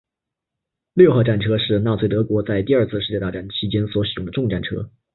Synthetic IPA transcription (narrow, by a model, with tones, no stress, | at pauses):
ljo˥˧ʊxa˥˧ʊʈ͡ʂa˥˩nʈ͡ʂʰɤ˥ʂɻ̩˥˧na˥˩t͡sʰwe˥˩t̪ɤ˧˥kwɔ˧˥t͡sa˥˧ɪt̪i˥˧ɐ˞˥˧t͡sʰɹ̩˥˧ʂɻ̩˥˧t͡ɕjɛ˥˧t̪a˥˧˩ʈ͡ʂa˥˩nt͡ɕʰi˧˥t͡ɕjɛ˥nswɔ˧˥ɕi˨˩ʊ˥˩ŋd̪ə˧ʈ͡ʂʊ˥˧ŋʈ͡ʂa̰˥˩nʈ͡ʂʰɤ̰˥